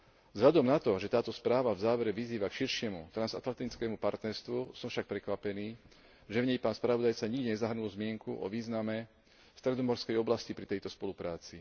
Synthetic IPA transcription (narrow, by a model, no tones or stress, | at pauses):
zɦʎad̪ɔmnat̪ɔʒɛt̪aːt̪ɔspɾaːʋavzaːʋɛɾɛʋiziːʋakʃiɾʃɪɛmṵt̪ɾanzat̪lat̪it͡skɛːmupaɾt̪nɛɾst̪ʋusɔmfʃak̚pɾɛkʋapɛniː | ʒɛvɲɛjpaːnspɾaʋɔd̪ajt͡saɲiɡ̚ɟiɲɛzaɦɾnulzmɪɛŋkuʔɔ̰ʋiːznamɛ | st̪ɾɛd̪ɔmɔɾskɛjɔblascipɾit̪ɛjt̪ɔspɔlupɾaːt͡si